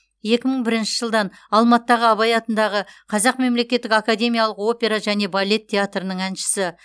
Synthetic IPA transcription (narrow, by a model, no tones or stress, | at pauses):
je̞kʲɪməɴbɪɾɪnʃɪʒəlˠd̪ɑn | ɑlˠmɑt̪ːɑʁəɑβɑjɑt̪ənd̪ɑʁəqʰɑzɑqme̞mle̞kʲe̞t̪ːɪkakad̪ʲe̞mʲijalˠəqo̞pʲe̞ɾaʒæne̞balʲːe̞t̪ʲʰːe̞at̪ɾənəɴænʃɪ̥sɪ